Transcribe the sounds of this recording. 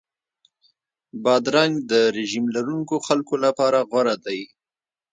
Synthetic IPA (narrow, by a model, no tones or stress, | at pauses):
bɑd̪ɾɑŋɡd̪əɾɪʒimlaɾuŋkoxalkolapɑɾaɣwaɾad̪aj